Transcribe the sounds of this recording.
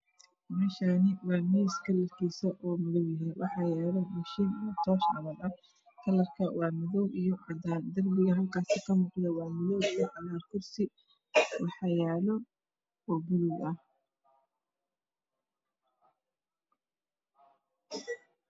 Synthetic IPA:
mɛːʃaːnɪwɑːmɛskʰɐlɐrkʰiːsɐʔɔːmʊðɔwjɐɦɛjwʔɑħɑjɛːlɔmɐʃint̪ʰɔːʃʕɑ̰βɐlɐ | kʰɐlɐrkʰɐwɑːmɐðɔwʔijɔʕɑdaːnd̪ɐrbɪɣɐɦɐlkʰaːsɪkʰɐmuːqd̪ɐwɑːmɪðɔwijɔʕɑðaːkʰʊrsɪ | wɑħɑjɛːlɔ | ɔːbʊlʊɡɐh

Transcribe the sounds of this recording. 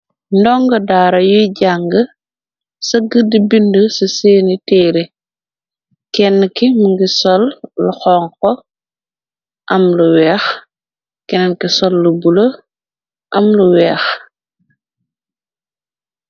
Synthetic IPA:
ndɔŋɡɐdaːɾɐjuɟaŋɡə | sɐɡədibindəsɐseːnitɛːɾi | kɛnːkimuŋɡisɔlːuxɔːŋkɔ | ʔɐmluwɛːx | kɛnɐnkisɔlːubulɐ | ʔɐmluwɛːx

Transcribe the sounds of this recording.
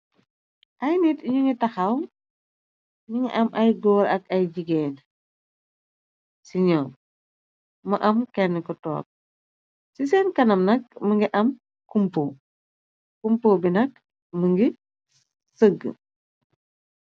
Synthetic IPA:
ʔɐjnitiɲuŋɡitɐxɐwm | miŋḭʔɐmʔɐjɡɔːɾɐk̚ɐjɟiɡɛːn | siɲɔːm | mɐʔɐmkɛnːɛkɔtɔ̰ːk̚ | sis̬ɛːnkɐnɐmnɐk̚məŋɡiʔɐm | kumpoː | kumpoːbinɐk̚ | məŋɡi | səɡːə̰

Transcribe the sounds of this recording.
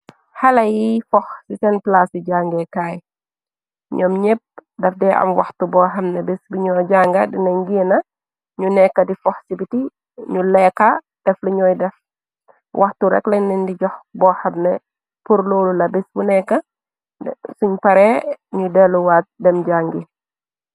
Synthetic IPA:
hɐlɐjifɔxsisɛnplasiɟaːŋɡɛkaːj | ɲɔmɲep̚dɐfdɛʔɐ̰mwɐxtubɔːɦɐmnɛbɛsbuɲɔːɟaːŋɡadinɐɲɡinɐ | ɲunɛkːɐdifɔxsibiti | ɲulɛkːa | d̥ɛfliɲɔːjdɛf | wʔɐxtuɾɛ̰klɐɲnɛndiɟɔxbɔːxɐmnɛ | puɾloːlulɐbɛsbunɛkːɐ | suɲpɐɾɛɲudɛluwaːt̚dɛmɟaːŋɡi

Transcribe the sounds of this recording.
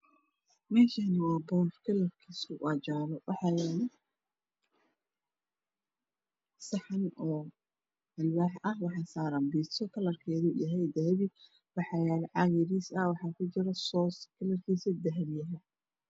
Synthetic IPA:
mɛːʃaːnɐwɑːbɔːfkʰɐlɐrkʰiːsʊʔɑt͡ʃaːβɔwʔɑħɑːjɛːlɛ | sɑħɑnɔː | ɐlwaːħʔɐhwɑħɑːsaːɾɐnbiːsɔkʰɐlɐrkʰɛːðujɐɦɛjd̪ɐɦβi | wɑħɑːjɛːlɛʕɑɣɪɾiːsɐwɑħɑːkʰʊt͡ʃɪɾɐsɔːskʰɐlɐrkʰiːsɐd̪ɐɦβjɐɦɐ

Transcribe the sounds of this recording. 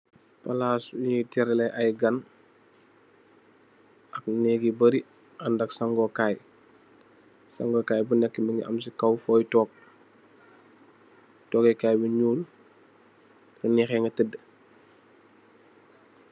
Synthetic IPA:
pɐlaːsuɲitɛɾɛlɛʔɐjɡɐn | ɐk̚nɛːɡibɐɾi | ɐndɐksɐŋɡɔːkaːj | sa̰ŋɡɔkaːjbunɛkːəmbiŋḭʔɐ̰msikɐwfɔːjtɔːk̚ | tɔːkɛkaːjbuɲuːl | kənixɛŋɡɐtədːə

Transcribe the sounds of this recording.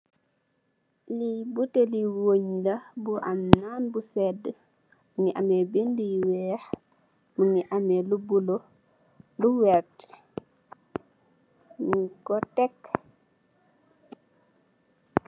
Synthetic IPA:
libuteliwoɲlabuʔamnaːnbusɛdːɛ | muŋiʔamɛbindiwɛːh | muŋiʔamɛlubulo | duwɛɾt | kɔtɛk

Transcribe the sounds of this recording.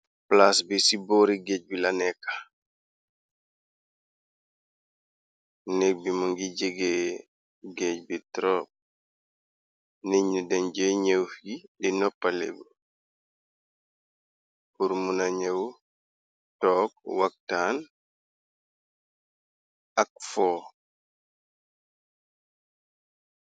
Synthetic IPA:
plasbisibɔːɾiɡeːɟ̚bilanɛkːḁ | nɛk̚bimuŋɡiɟeɡe | ɡecbitɾɔːp̚ | niɲudɛnɟeɲewfɡiɗinɔpːalɛ̰bu | puɾmunaɲew | tɔːkwak̚tan | ʔak̚fɔː

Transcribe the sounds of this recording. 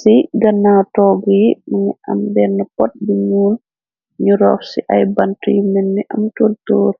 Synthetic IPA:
siɡanːawtɔɡɔjimanɛʔamdɛnːapɔt̚biɲuːl | ɲuɾɔfsḭʔajbantijmənːiʔamtoltoːɾ

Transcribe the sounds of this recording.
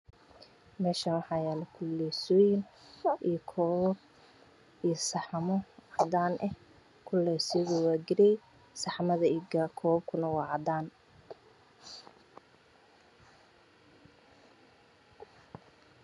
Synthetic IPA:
mɛːʃɐnwɑħɑːjɛːlɛkʰʊlːɛsɔːjɪnʔijkʰɔːwb | ijsɑħɑmɔʕɑd̪aːnʔɛh | kʰʊlːɛːsɪɣɔwɑːɡɪɾɛj | sɑħmɐðɐiɡɐkʰɔːb̚kʰʊnɐwɑːʕɑd̪aːn

